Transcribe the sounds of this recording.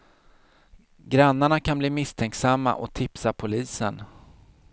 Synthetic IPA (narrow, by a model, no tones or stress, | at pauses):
ɡɾanːaɳakʰanbliːmɪst̪ʰɛŋksamːa̰ʔɔt̪ʰɪpsapʰʊliːsən